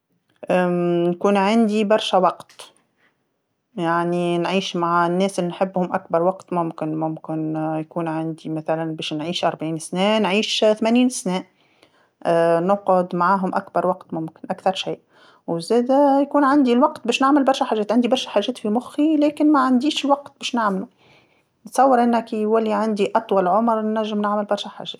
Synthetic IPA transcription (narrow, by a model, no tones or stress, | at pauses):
ʔnkuːnʕand̪ibɑɾˤʃawɑqt̪ | jaʕninʕiːʃmaʕnːɛːsʔɪlːinħɪbːhʊmʔakbɑɾˤwɑqt̪mʊmkɪnmʊmkɪnjkuːnʕand̪imaθalanbɛːʃnʕiːʃʔɑɾˤbʕiːnsnɛːnʕiːʃθmæniːnsnɛːʔ | nʊqʊd̪maʕaːɦʊmʔakbɑɾˤwɑqt̪mʊmkɪnʔakθɑɾˤʃiːʔ | wzæːd̪æjkuːnʕand̪ilwɑqt̪̚bɛːʃnaʕmɪlbɑɾˤʃæħaːʒɛːt̪ʕɪnd̪ibɑɾˤʃæħaːʒɛːt̪fimʊxilɛːkɪnmæʕand̪iːʃɪlwɑqt̪̚b̥ɛːʃnaʕmlu | nsˤɑwːɪɾʔɪnːækiwælːiʕand̪iʔɑt̪ˤwɑlʕʊmɾˤnæʒːɪmnaʕmɪlbɑɾˤʃæħa̰ːʒɛːt̪